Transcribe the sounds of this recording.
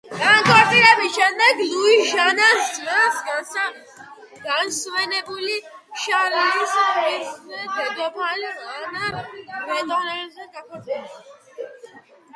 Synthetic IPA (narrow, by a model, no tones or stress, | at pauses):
ɡaŋkʼɔɾt̪ʼiɾɛbisʃɛmd̪ɛɡluiʒanasasɡ | ɡansvɛnɛbuliʃalilisɛsnɛnb̪ɛd̪ɔpʰalanavɛt̪ʼɔnɛɾzɛnɡakʰɔɾsʼɛl